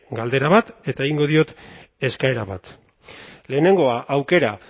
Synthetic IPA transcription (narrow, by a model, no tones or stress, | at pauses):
ɡald̪e̞ɾaβat̪e̞t̪aeɣiŋɡo̞ð̞io̞t̪ | e̞skae̞ɾaβa̰t̪ | le̞ːne̞ŋɡo̞aʔawke̞ɾa